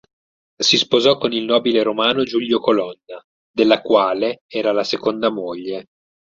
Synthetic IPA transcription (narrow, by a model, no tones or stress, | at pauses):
sispozɔkːonilnɔːbileɾomaːnod͡ʒuʎjokolɔnːa | d̪elːakwaːleɛːɾalasekond̪amoʎːe